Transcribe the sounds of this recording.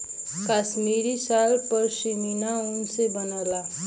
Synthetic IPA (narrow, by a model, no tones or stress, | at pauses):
kaːʃmiːɾisalpəɾʃininaʊnsebənəla